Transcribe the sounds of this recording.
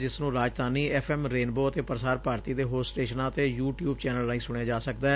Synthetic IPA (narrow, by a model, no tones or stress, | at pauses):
d͡ʒɪsnũːɾaːd͡ʒt̪ãːniːɛpʰɛːmɾeːnboːət̪eːpəɾsaːɾpaːɾt̪iːd̪eːɦoːsʈeːʃənãːət̪eːjuːʈjuːbt͡ʃɛːnəlːaːĩːsʊɽ̃ejãːd͡ʒaːsəkd̪aː